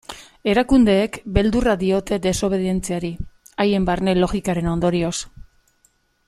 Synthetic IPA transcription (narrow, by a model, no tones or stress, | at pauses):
e̞ɾakund̪e̞ːkbe̞ld̪uraðio̞t̪e̞d̪e̞so̞β̞e̞ðie̞nt͡seaɾiaje̞mbarne̞lo̞ɣikaɾe̞no̞nd̪o̞ɾio̞s